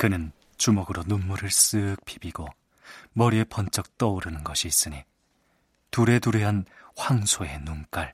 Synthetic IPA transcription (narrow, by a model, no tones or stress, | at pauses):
kɯnɯn | t͡ɕumʌɡɯɾonumːuɾɯɭs͈ɯk̚p͈ʰi̥biɡo | mʌɾie̞pʌnt͡ɕ͈ʌk̚t͈ʌuɾɯnɯnɡʌɕʰiːs͈ɯɲi | tuɾe̞tuɾeɦanɸwaŋsʰoe̞nuŋk͈aɭ